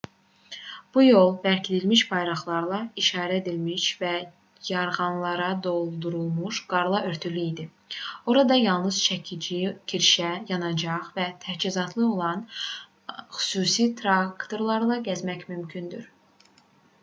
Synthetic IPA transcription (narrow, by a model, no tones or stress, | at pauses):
b̥ujo̞lˠbæɾcʰid̪ilmiʃbɑjɾɑχlˠɑɾlˠɑiʃɑːɾæed̪ilmiʃvæ | jɑɾʁɑnlˠɑɾɑd̪o̞lˠd̪uɾulˠmuʃɡ̥ɑɾlˠɑʔøɾt̪ʰylyid̪i | o̞ɾɑd̪ɑjɑlˠnɯz̥t͡ʃʰæcʰid͡ʒicʰiɾʃæjɑnɑd͡ʒɑʁvæt̪ʰæt͡ʃizɑt̪ʰlˠɯo̞lˠɑn | xy̥suːsit̪ʰɾɑkt̪o̞ɾlˠɑɾlˠɑɟæzmæcmymcʰynd̪yɾ